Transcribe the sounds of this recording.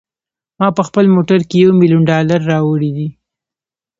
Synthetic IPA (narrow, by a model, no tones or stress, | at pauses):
mɑpəxpəlmoʈaɾkejawmilijunɖɑlaɾːɑwəɽid̪i